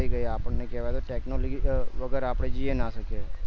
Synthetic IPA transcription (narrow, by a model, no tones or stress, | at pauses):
iɡəiaːpnekɛːʋat̪oʈɛːknoːlɡiʋɐɡɛːɾaːpɽed͡ʒienaːsəke